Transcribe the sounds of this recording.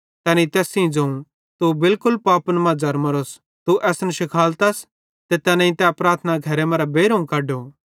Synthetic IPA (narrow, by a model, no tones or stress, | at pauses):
t̪ɛ̃ːnit̪ɛːsĩd͡zɐ̃ũ | t̪ubɪlkʊlpaːpnmɐd͡zɐɾmɐɾos | t̪uʔɛːsnəʃɪkʰaːlt̪ɐs | t̪et̪ɛːnãĩt̪ɛpɾaːɾt̪ʰnaɡʱɐɾemɐ̃ɾɛbeːɾõũkɐːɖo